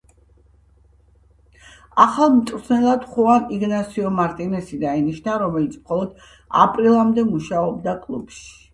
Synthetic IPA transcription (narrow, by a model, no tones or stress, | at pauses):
aχalˠmt̪ʼɾsʰnɛlˠad̪̥χuaniɡnat̪sʰiɔmaɾt̪ʼinɛsid̪ainiʃnaɾɔmɛlit̪sʰmχɔlˠɔd̪̥ | a̰pʼɾilˠamd̪ɛmuʃaɔbd̪akʼlˠub̥ʃi̥